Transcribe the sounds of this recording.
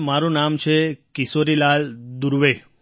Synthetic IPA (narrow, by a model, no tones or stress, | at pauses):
maɾũnamt͡ʃʰekisoɾilald̪uɾʋe